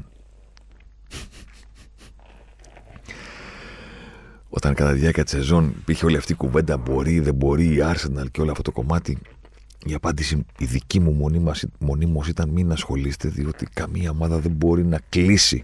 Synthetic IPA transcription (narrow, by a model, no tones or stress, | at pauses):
o̞̰t̪ɐŋkɐt̪ɐðʝɐkcɐt̪i̥sezo̞nḭpiɾçeo̞liɐft̪iːkuve̞nd̪ɐbo̞ɾiðe̞bo̞ɾiːɐɾse̞nɐlceo̞lɐft̪ot̪oko̞mɐt̪i | iɐpɐnd̪isiiðicimummo̞nimosit̪ɐnminɐsxo̞lise̥t̪e̞ðio̞t̪ikɐmiɐo̞mɐðɐðe̞mbo̞ɾinɐklisḭ